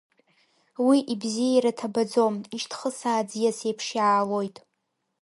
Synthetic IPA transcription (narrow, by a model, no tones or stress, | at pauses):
wiʔibzijajɾatʰabad͡zo̞miʃtʰχəsaːd͡zjasejpʰʂjaːlojtʼ